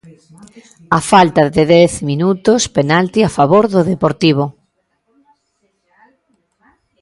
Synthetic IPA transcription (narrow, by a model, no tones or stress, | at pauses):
afalt̪aðeðɛθminut̪ospenalt̪iafaβoɾðʊðepoɾt̪iβ̞o